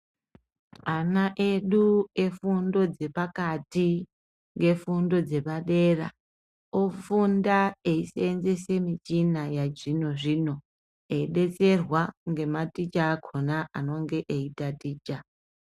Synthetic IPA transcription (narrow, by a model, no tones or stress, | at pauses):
anaʔeɗue̞fundo̞d͡ze̞pakati | ŋɡe̞fundo̞d͡ze̞paɗe̞ra̰ | ofundaeiseːnzese̞mit͡ʃinajad͡ʒino̞ʐino̞ | eiɗe̞t͡se̞rwaŋɡe̞matit͡ʃaːkʰo̞naano̞ŋɡe̞ʔeitatiːt͡ʃa